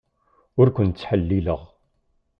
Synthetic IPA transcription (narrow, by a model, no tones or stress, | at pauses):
ʊɾkʷʊnt͡sːħəlːilə̰ʁ